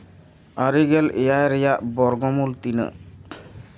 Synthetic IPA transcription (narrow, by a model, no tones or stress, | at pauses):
aɾiɡɛlejajɾejaʔbɔɾɡɔmult̪inə̰